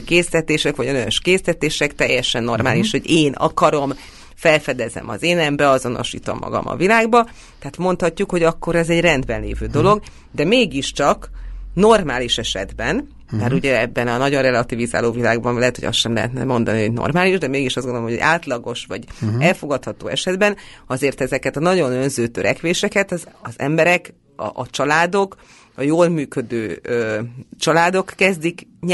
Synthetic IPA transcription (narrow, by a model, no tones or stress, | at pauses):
keːslɛt̪eːʃɛkʋɒɟɒnøøʃkeːslɛt̪eːʃɛkt̪ɛjːɛʃɛnːo̞rma̰ːliʃho̞ɟeːnɒ̰kɒɾo̞m | fɛlfɛd̪ɛzɛ̰mɒ̰zeːnɛmbɛɒzo̞no̞̰ʃḭːt̪o̞̰mːɒ̰ɡɒ̰mʔɒ̰vilaːɡbɒ | t̪ɛɦaːt̪mo̞nt̪hɒcːukho̞ɟɒkːo̞ɾɛzɛɟrɛnd̪bɛnlḛːvøːd̪o̞lo̞ɡ | d̪ɛmeːɡiʃt͡ʃɒkno̞rmaːliʃɛʃɛ̰d̪bɛn | aːɾuɟɛɛbːɛnɒnɒɟonrɛlɒt̪iviza̰ːloːvilaːɡbɒnlɛɦɛt̪ho̰ɒ̰sʃɛmlɛ̰ɦɛ̰t̪nɛ̰mo̞nd̪ɒniɦo̞ɟno̰rmaːliʒd̪ɛmeːɡiʃɒzɡond̪olomɦjoɟʔaːt̪lɒɡo̞ʃʋɒ̰ɟɛlfo̞ɡɒt̪hɒt̪o̰ːɛʃɛd̪bɛnɒzeːrt̪ɛzɛkɛt̪ɒnɒɟo̞nø̞nzøːt̪øɾɛkʋeːʃɛkɛt̪zɒzɛ̰mbɛɾɛk | ɒ̰ʔːt͡ʃɒlaːd̪o̞k | ɒjoːlmyːkø̞d̪øːøːt͡ʃɒlaːd̪o̞kːɛzd̪ikɲ